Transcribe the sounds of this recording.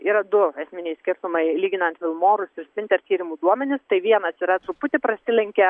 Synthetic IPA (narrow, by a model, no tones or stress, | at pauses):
iːɾɐd̪ʊɛsʲmʲɪnʲɛɪsʲkʲɪrt̪ʊmɐɪlʲiːɡʲɪnɐnt̪fʲɪlˠmoːɾʊsɪɾsʲpʲɪnʲt̪ʲɛɐrt̪ʲiːɾʲɪmuːd̪uɔmʲɛnʲɪst̪ɐɪʋʲiɛnɐsiːɾɐt̪ɾʊpʊt̪ʲɪpɾɐsʲɪlʲɛŋʲkʲɛ